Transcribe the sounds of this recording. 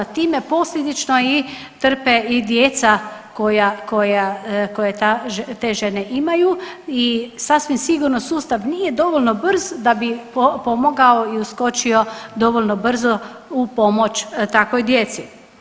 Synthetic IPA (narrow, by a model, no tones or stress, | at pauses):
t̪iːme̞po̞slʲed̪it͡ʃnoi | t̪r̩peid̪jet̪sako̞jako̞jako̞jet̪aʒt̪eːʒeneʔimajuisasʋimsiɡuɾnosuːst̪aʋniːje̞d̪o̞ʋolʲno̞br̩zd̪abipo̞moɡaoiusko̞t͡ʃio̞d̪o̞ʋolnobr̩zo | upo̞mo̞t͡ʃt̪akʋojd̪jet̪si